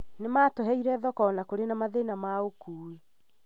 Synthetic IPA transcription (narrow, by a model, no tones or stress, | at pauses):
nemaːtɔɦɛiɾɛðɔkɔːnakoɾenamaðenamaokuːi